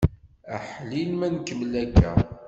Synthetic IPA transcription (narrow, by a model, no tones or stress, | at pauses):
əħlilmænkːəmlækːæ̰